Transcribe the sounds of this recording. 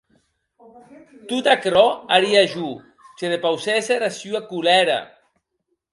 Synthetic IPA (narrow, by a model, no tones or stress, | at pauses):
t̪ut̪akɾɔaɾiaʒu | t͡ʃeðepawseserasjuakulɛɾa̰